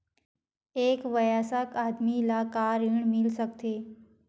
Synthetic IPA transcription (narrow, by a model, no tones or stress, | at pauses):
eːkʋəjaːsakaːd̪milakaːɾiɳmilsək̚t̪e